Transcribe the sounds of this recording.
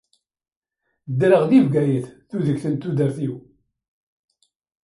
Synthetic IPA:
d̪ːɾəʁðivɡæjəθθuðəçθənt̪uðəɾθiw

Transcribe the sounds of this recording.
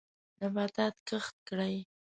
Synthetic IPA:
nabad̪at̪kəxt̪̚kɽaj

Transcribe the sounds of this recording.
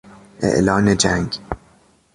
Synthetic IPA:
ʔḛʔlɒːned͡ʒæŋɡ

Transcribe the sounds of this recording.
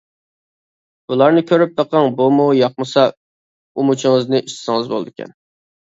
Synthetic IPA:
bulˠɑɾnɨkʲʰøɾyp̚d̪əqʰɑŋbomʊjɑq̚mɨsɑ | umut͡ʃʰɪŋɨznɨʔiʃt̪ɪ̥sɪŋɨzbolˠɨd̪ɪkʲʰɛ̰n

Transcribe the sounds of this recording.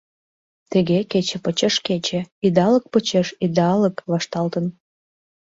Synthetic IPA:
t̪əɣeket͡ɕĕpət͡ɕeʃket͡ɕĕid̪ɑlək̚pət͡ɕeʃid̪ɑləkβɑʃt̪ɑlt̪ən

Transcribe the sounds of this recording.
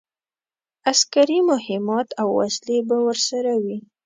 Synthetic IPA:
askaɾimʊhɪmɑt̪awːa̰slebawəɾsaɾawi

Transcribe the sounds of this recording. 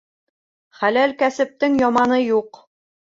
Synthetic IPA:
χælælkæsɘ̆p̚t̪ɘŋjɒmɑnɤjuq

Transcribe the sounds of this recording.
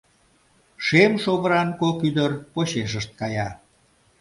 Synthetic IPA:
ʃemʃoβəɾɑnkokyd̪ərpoɕeʃəʃt̪̚kɑjɑ

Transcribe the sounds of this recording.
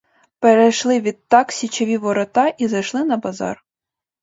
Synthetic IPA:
pɛɾɛjʃlˠɪʋʲit̪t̪ːɑksʲit͡ɕɔʋʲiʋoɾɐt̪ɑʔizɐjʃlˠɪnɐbɑzɑ̰r

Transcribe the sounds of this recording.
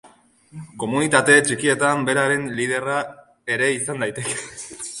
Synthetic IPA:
ko̞munit̪at̪e̞t͡ʃikie̞t̪ambe̞ɾaɾe̞nlið̞e̞ra | e̞ɾe̞isand̪ajt̪e̞ke̥

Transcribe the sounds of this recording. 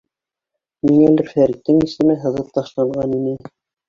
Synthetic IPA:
miŋælɘɾfæɾĭk̚t̪ːɘŋisɘ̆mɘɦɤ̆ðɤp̚t̪ɑʃlˠɑɴʁɑninɘ

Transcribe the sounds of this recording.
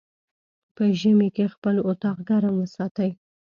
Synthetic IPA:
pəʒəmekexpəlot̪ɑqɡaɾamwəsɑt̪əj

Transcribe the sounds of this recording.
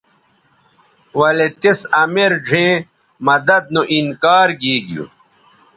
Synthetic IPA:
wɐlet̪esɐmeɾɖʱẽː | mɐd̪ɐd̪̚nuʔinkaːɾɡiːɡjṵ

